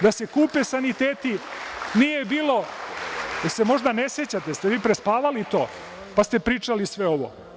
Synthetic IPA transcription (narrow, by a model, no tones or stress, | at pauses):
d̪ase̞kuːpesanit̪eːt̪inije̞biːlo̞ | d̪ase̞mo̞ʒd̪aneset͡ɕat̪est̪eʋiːpɾespaːʋalit̪o̞ː | past̪epɾiːt͡ʂalisʋeo̞ʋo̰